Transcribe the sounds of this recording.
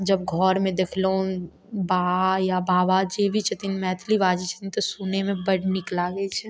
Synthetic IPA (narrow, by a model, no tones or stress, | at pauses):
d͡ʒɐb̚ɡʱɔːɾmẽd̪eːkʰloõ | baːjabʱaːʋad͡ʒeːbʱit͡ʃʰɐt̪inmɛːt̪ʰliʋaːd͡ʒit͡ʃʰə̥t̪init̪osuːnemẽbɐɽnɪklaɡet͡ʃʰe